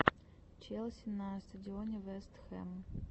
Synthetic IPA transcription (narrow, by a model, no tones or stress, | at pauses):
t͡ʃɛlˠsʲɪnɐst̪ɐdʲionʲɛvɛst̪xɛ̰m